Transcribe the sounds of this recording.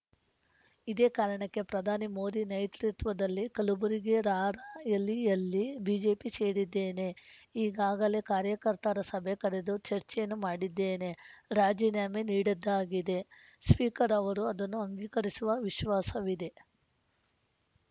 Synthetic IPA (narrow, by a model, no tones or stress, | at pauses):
id̪e̞ːkaːɾɐɳɐkːe̞pɾɐd̪ʱaːnimo̞ːd̪inɐjt̪ɾit̪ʋɐd̪ɐlːikɐlubuɾiɡe̞ɾaːɾaɐlijɐlːibiːd͡ʒe̞ːpise̞ːɽid̪ːeːne̞iːɡaːɡɐle̞kaːɾjɐkɐɾt̪ɐɾɐsɐbʱekɐɾe̞d̪ut͡ʃɐɾt͡ʃɛjɐnːumaːɽid̪ːeːne̞ɾaːd͡ʒiːnjaːmeniːɽɐd̪ːaːɡid̪e̞ | spiːkɐɾɐʋɐɾuɐd̪ɐnːuɐŋɡiːkɐɾisuʋɐʋiʃʋaːsɐʋid̪e̞